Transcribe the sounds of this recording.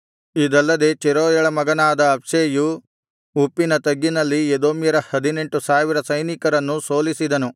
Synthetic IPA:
id̪ɐlːɐd̪e̞t͡ʃɛɾoːjɐɭɐmɐɡɐnaːd̪ɐːpʂeju | upːinɐt̪ɐɡːinɐlːied̪oːmjɐɾɐhɐd̪ine̞ɳʈusaːʋiɾɐsɐjnikɐɾɐnːuso̞ːlisid̪ɐnu

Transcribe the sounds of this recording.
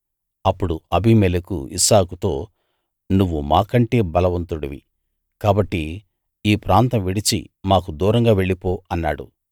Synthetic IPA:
ɐpːuɽuɐbimɛlekṵḭsaːkut̪o̞ː | nuʋːumaːkɐɳʈe̞ːbɐlɐʋɐnt̪uɽɐʋḭ | kaːbɐʈːi | iːpɾaːnt̪ɐmʋiɽit͡ʃḭmaːkud̪uːɾɐŋɡaːʋe̞ɭːipo̞ːɐnːaːɽṵ

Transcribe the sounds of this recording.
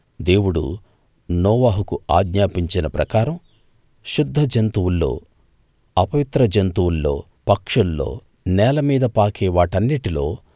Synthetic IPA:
d̪e̞ːwuɽṵ | nɔːʋaːɦukua̰ːɡɲaːpiɲt͡ʃinɐpɾɐkaːɾɐm | ʃud̪ʱːɐd͡ʒɐnt̪uwulːo̰ː | ɐpɐʋit̪ɾɐd͡ʒɐnt̪uwulːo̞̰ː | pɐkʂulːo̰ː | nɛːlɐmiːd̪ɐpaːkʰeːʋaːʈɐnːiʈilo̞̰ː

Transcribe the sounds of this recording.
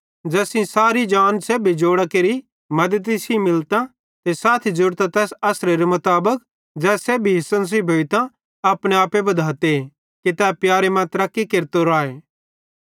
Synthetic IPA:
d͡ʒɛːsĩsaːɾid͡ʒaːnseːbʱid͡ʒoːɽakeːɾi | mɐd̪ət̪̬isimɪlt̪ã | t̪esaːt̪ʰid͡ʒʊɾt̪ãt̪ɛːsɐsɾeɾemʊt̪aːbək̚ | d͡ʒɛːseːbʱiɦɪsə̃ns̬ebʱoːit̪ã | ɐpɽ̃ẽaːpebɐd̪ʱaːt̪e | kit̪ɛːpjaːɾemãt̪ɾakikeɾt̪oɾaːeː

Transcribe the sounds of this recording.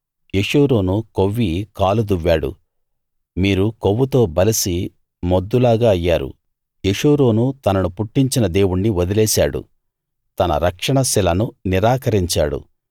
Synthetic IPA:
jeʂuːɾoːnukoʋːikaːlud̪uʋːaːɽṵ | miːɾukoʋːut̪o̞ːbɐlisi | mod̪ːulaːɡaːɐjːaːɾṵ | jeʂuːɾoːnut̪ɐnɐnupuʈːiɲt͡ʃinɐd̪e̞ːwuɳːiʋod̪ilɛːsaːɽṵ | t̪ɐnɐ̰ɾɐkʂɐɳɐsilɐnuniɾaːkɐɾiɲt͡ʃa̰ːɽṵ

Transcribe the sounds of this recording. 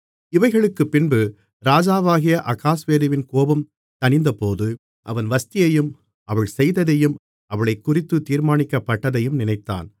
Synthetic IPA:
ɪʋɐɪɣɐɭɯkːɯpːɪnbɯ | ɾaːd͡ʒaːʋaːɣɪjɐʔɐkːaːsʋeːɾɪʋɪnkoːbɐm | t̪ɐnɪnd̪ɐpoːðɯ | ʔɐ̰ʋɐnʋɐst̪ɪjɐjɯm | ʔɐʋɐɭsɛjðɐðɐjɯm | ʔɐʋɐɭɐɪkːʊrɪt̪ːɯt̪ːiːɾmaːnɪkːɐpːɐʈːɐðɐjɯmnɪnɐɪt̪ːa̰ːn

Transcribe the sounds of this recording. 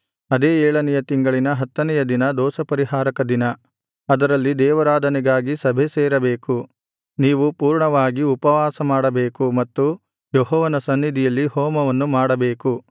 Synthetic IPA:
ɐd̪eːɛːɭɐnɛjɐt̪iŋɡɐɭinɐɦɐt̪ːɐnɛjɐd̪inɐd̪ɔːsɐpɐɾiɦaːɾɐkɐd̪inɐ | ɐd̪ɐɾɐlːid̪ɛːʋɐɾaːd̪ʱɐniɡaːɡisɐbʱeseːɾɐbeːku | niːʋupuːɾɳɐʋaːɡiupɐʋaːsɐmaːɽɐbeːkumɐt̪ːu | jɔɦɔːʋɐnɐsɐnːid̪ʱijɐlːihɔːmɐʋɐnːumaːɽɐbeːku

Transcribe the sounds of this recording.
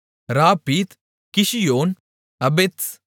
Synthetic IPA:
ɾaːpiːt̪ | kiʃijoːn | ɐbet̪s

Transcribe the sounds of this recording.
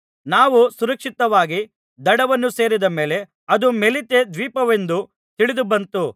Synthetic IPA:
naːʋusuɾɐkʂit̪ɐʋaːɡi | d̪ɐɽɐʋɐnːuse̞ːɾid̪ɐmeːle̞ | ɐd̪umelit̪ed̪ʋiːpɐʋe̞nd̪u | t̪iɭid̪ubɐnt̪u

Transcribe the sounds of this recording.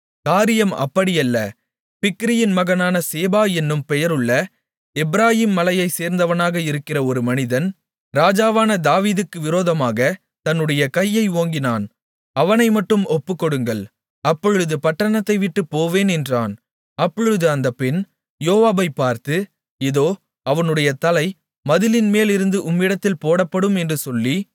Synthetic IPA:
kaːɾɪjɐmɐ̰pːɐɽɪjɐlːɐ | pɪkːɪɾɪjɪnmɐɣɐnaːnɐseːbaːɛnːɯmpɛjɐɾɯɭːɐ | ɛbɪɾaːjiːmːɐlɐjɐɪseːɾnd̪ɐʋɐnaːɣɐɪɾɯkːɪrɐɔɾɯmɐnɪðɐn | ɾaːd͡ʒaːʋaːnɐd̪aːʋiːðɯkːɯʋɪɾoːðɐmaːɣɐ | t̪ɐnːɯɽɐjɐkɐjːɐɪoːŋɡɪnaːn | ɐʋɐnɐɪmɐʈːɯmɔpːɯkːɔɽɯŋɡɐɭ | ɐpːɔɻɯðɯpɐʈːɐɳɐt̪ːɐɪʋɪʈːɯpːoːʋeːnɛndraːn | ɐpːɔɻɯðɯɐnd̪ɐpɪn | joːʋaːbɐɪpːaːɾt̪ɯ | ɪðoː | ɐʋɐnɯɽɐjɐt̪ɐlɐɪ | mɐðɪlɪnmeːlɪɾɯnd̪ɯʔʊmːɪɽɐt̪ːɪlpoːɽɐpːɐɽɯmɛndrɯsɔlːi

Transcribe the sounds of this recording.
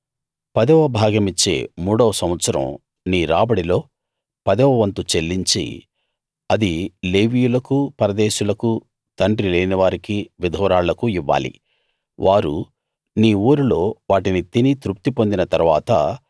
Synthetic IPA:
pɐd̪ɛʋɐbʱaːɡɐmit͡ʃːe̞̰ːmuːɽɐʋɐsɐm̃ɐt̪sɐɾɐ̰m | niːɾaːbɐɽilo̞ː | pɐd̪ɛʋɐʋɐnt̪ut͡ʃe̞lːiɲt͡ʃḭ | ɐd̪ileːʋijulɐkupɐɾɐd̪eːʃulɐku | t̪ɐɳɖɾileːniʋaːɾikiʋid̪ʱɔːɾaːɭɐkuiʋːa̰ːlḭ | ʋʔaːɾṵ | niːuːɾulo̞ːʋaːʈinit̪init̪ɾup̚t̪ipond̪inɐt̪ɐɾuʋaːt̪ɐ

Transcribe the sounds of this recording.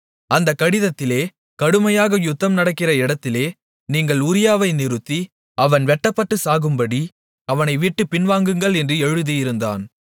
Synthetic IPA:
ɐnd̪ɐkːɐɽɪðɐt̪ːɪleː | kɐɽɯmɐjaːɣɐjʊt̪ːɐmnɐɽɐkːɪrɐɪɽɐt̪ːɪleː | niːŋɡɐɭʊɾɪjaːʋɐɪnɪɾɯt̪ːi | ɐʋɐnʋɛʈːɐpːɐʈːɯsaːɣɯmbɐɽi | ɐʋɐnɐɪʋiːʈːɯpɪnʋaːŋɡɯŋɡɐɭɛndrɯɛɻɯðijɪɾɯnd̪a̰ːn

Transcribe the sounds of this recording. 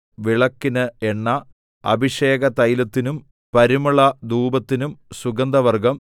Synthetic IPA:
ʋiɭɐkːinɨeɳːɐ | ɐ̰bʱiʂe̞ːɡɐt̪ɐjlɐt̪ːinum | pɐɾimɐɭɐd̪uːbɐt̪ːinumsuɡɐnd̪ɐʋɐrɡɐm

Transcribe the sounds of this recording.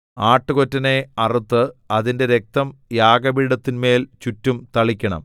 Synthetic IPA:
aːʈːɨkotːɐne̞ɐrut̪ːɨɐðinde̞ɾe̞k̚t̪ɐmjaːɡɐbiːɽɐt̪ːinme̞ːlt͡ɕutːumt̪ɐɭikʲːɐɳɐ̰m

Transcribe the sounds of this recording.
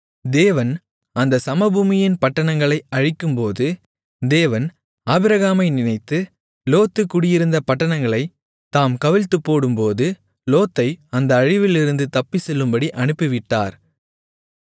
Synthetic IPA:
d̪eːʋɐn | ɐnd̪ɐsɐmɐbuːmɪjɪnpɐʈːɐɳɐŋɡɐɭɐɪɐɻɪkːɯmpoːðɯ | d̪eːʋɐn | aːbɪɾɐɣaːmɐɪnɪnɐɪt̪ːɯ | loːt̪ːɯkːʊɽɪjɪɾɯnd̪ɐpɐʈːɐɳɐŋɡɐɭɐɪ | t̪aːmkɐʋɪɻt̪ːɯpːoːɽɯmpoːðɯ | loːt̪ːɐɪɐnd̪ɐːɻɪʋɪlɪɾɯnd̪ɯt̪ɐpːisɛlːɯmbɐɽiʔɐɳɯpːɪʋɪʈːa̰ːɾ

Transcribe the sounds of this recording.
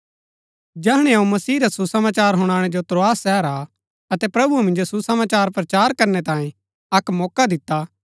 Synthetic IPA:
d͡ʒɛɦɽ̃ɛ̃umɐsiːɾasusɐmaːt͡ʃaːɾɦʊɽ̃aːɽ̃ɛd͡ʒot̪ɾoaːsːɛːɾa | ɐt̪ɛpɾɐbumɪ̃nd͡ʒosusɐmaːt͡ʃaːɾpɾɐt͡ʃaːɾkɐɾnɛt̪ãːẽ | ɐkmɔːkad̪ɪt̪ːa

